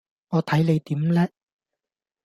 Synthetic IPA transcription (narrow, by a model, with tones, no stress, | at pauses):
ŋɔː˨˧t̪ʰɐ˨˥jle˨˧jt̪iː˨˥mlɛː˥